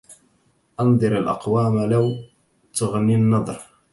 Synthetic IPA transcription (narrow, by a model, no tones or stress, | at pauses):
ʔɑnðˤɨɾalʔɑ̰qwaːmalaw | t̪aɣninːɑðˤɾ